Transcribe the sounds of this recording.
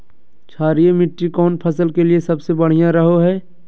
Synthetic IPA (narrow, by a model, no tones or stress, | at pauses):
t͡ʃʰaːɾiemɪʈːikɔːnpʰɐsəlkeliesɐbsebɐɽ̤ijãɾɐɦoɦɛː